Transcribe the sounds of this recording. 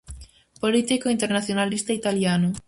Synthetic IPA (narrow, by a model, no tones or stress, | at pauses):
polit̪ikoint̪eɾnaθjonalist̪ait̪aljanʊ